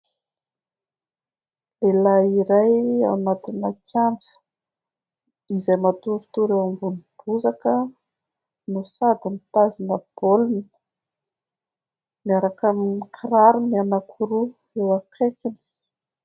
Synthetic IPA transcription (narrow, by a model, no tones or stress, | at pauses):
lelaiɾaja̰nat̪inəkand͡zə̥ | izajmat̪uɾut̪uɾewambunib̥uzakə | nusad̪imit̪azinəb̥oluni | miaɾakaminikʰɾaɾumianakʰuɾu | ewakekin̥